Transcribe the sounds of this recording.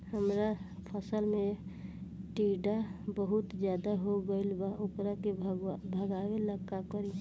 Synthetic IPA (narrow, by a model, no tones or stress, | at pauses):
həmɾapʰəsəlme | ʈiɖabəɦʊt̪d͡ʒjaːd̪aɦoɡəilbaʊkɾakebʱəɡaweləkːakəɾi